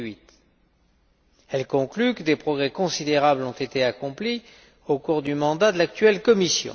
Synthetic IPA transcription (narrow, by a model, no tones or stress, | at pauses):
ɥit̪ | ɛlkɔ̃klykəd̪epχɔɡʁɛkɔ̃sid̪eʁablɔ̃t̪et̪eakɔ̃pli | okuʁd̪ymɑ̃d̪ad̪əlak̚t̪ɥɛlkɔmisjɔ̰̃